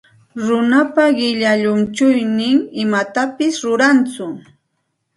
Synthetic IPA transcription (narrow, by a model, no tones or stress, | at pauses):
ɾʊnapaɢɪʎaʎʊnt͡ʃʊjnɪŋɪmat̪apɪsɾʊɾant͡sʊ